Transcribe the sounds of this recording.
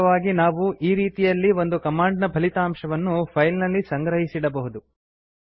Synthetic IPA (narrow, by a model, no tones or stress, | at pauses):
ʋaːɡinaːʋuʔiːɾiːt̪ijɐlːiʋo̞nd̪ukɐmaːɳɖnɐbʱɐlit̪aːmʂɐʋɐnːupʰɐjlnɐlːisɐŋɡɾɐɦisiɽɐbɐɦud̪u